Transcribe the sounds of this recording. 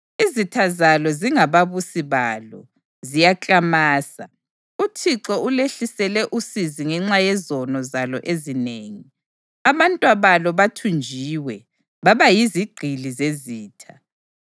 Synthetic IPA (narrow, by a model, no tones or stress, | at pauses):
izitʰazalɔziŋaβaβusiβalɔ̰ | zijat͡ɬʼamaːsa̰ | utʰiǁɔuleɬisɛlɛʔusiziŋɛŋ͡ǁajɛzɔnɔzalɔ̰ʔezineŋi | aβantʼwaβalɔβatʰund͡ʒʱiwɛ | βaβajiziɡ͡ǃʱilizeziːtʰa